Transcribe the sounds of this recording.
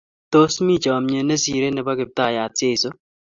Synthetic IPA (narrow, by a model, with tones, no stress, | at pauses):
t̪o˦smi˦˨d͡ʒɔ˨mɲe˨ne˦si˨ɾe˦nɛ˨ba˦kɪ˨p̚t̪a˦˨ja˨tje˦˨so˦